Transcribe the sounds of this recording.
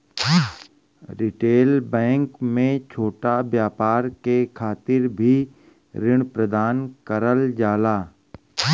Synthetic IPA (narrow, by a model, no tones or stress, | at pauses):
ɾɪʈeːlbɛ̃ːŋkmẽt͡ʃʰoːʈabjaːpaːɾkekʰaːt̪ɪɾbʱi | ɾɪɽ̃pɾəd̪aːnkəɾəld͡ʒaːlaː